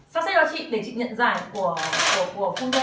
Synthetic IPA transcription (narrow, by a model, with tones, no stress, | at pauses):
saː˧˥msa˧˥jɗɔ˨˦t͡ɕḭ˧˨ɗe˨˩t͡ɕḭ˧˨ŋɲə̰˧˨nzaː˨˩jku˧˩əku˧˩əku˧˩əfu˧ŋ͡mtə˧˦